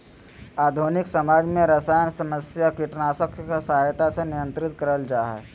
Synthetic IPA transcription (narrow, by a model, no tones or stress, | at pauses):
aːd̪ʱoːnɪksɐmaːd͡ʒmẽɾɐsaːjənsɐməsjakiʈnaːsəkʰkasaɦjt̪asenɪjə̃nt̪ɾɪt̪̚kəɾəld͡ʒaːɦɛ̰ː